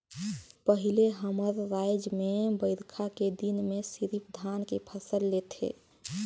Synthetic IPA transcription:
pəɦileɦəməɾːajd͡ʒmebəɪɾkʰaked̪inmesiɾipd̪ʱankepʰəsəlːet̪ʰḛ

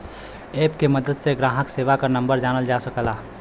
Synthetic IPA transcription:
eːpkemɐd̪əd̪seɡɾaːɦəkseːʋakanɐ̃mbəɾd͡ʒaːnəld͡ʒaːsɐkəlaː

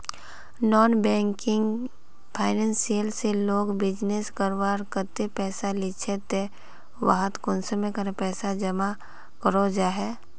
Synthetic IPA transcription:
nɔːnbɛ̃ːŋkɪ̃ŋɡ | pʰaːɪnɛ̃nsijəlseloːɡbɪd͡ʒneskəɾwaːɾkət̪epɛːsalɪt͡ʃʰet̪e | ʋa̰ɦət̪kʊnsəmẽkəɾepɛːsad͡ʒəma | kəɾod͡ʒaːɦɛː

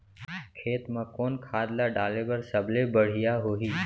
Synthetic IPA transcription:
kʰeːt̪mãːkoːnkʰaːd̪laːɖaːleːbəɾsəblebəɽ̤ɪjaːɦoːɦiː

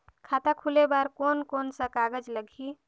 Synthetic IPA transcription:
kʰaːt̪akʰulebaːɾkoːnkoːnsəkaːɡəd͡ʒləɡʱi

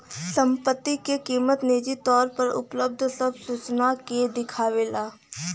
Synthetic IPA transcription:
sə̃mpət̪ːikekiːmət̪neːd͡ʒit̪ɔːɾpɐɾʊ̰pləb̚d̪ʱsəbsuːt͡ʃnaked̪ɪkʰaːʋeːlaː

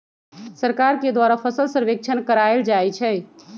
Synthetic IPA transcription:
səɾkaɾked̪waɾapʰəsəlsəɾʋek̚t͡ʃʰənkəɾaeld͡ʒajt͡ʃʰɛ

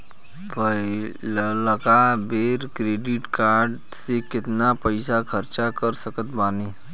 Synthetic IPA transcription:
pə | lləkabeːɾkɾeːɖɪʈkaːɾɖ | sekɪt̪napəɪsakʰəɾt͡ʃakəɾsəkət̪baːne

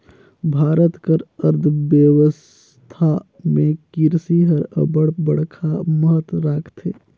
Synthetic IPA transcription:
bʱaːɾət̪kəɾəɾd̪ʱʋjəʋəs | t̪ʰa | mẽkɪɾsiɦəɾə̰bəɽbəɽkʰamɐɦət̪ɾaːkʰt̪eː

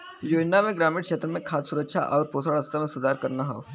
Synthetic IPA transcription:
joːd͡ʒnamẽɡɾaːmiːɽkʃeːt̪ɾəmẽkʰaːt̪sʊɾəkʃʰa̰ʔɔːɾpoːsaːɽɐst̪amẽsʊd̪aːɾkɐɾnaɦao

